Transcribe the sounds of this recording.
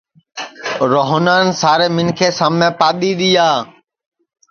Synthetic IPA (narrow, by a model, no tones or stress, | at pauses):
ɾoːɦnaːnsaːɾeːmɪnkʰeːsaːmnẽːpaːɗ̪iːɗ̪iːjaː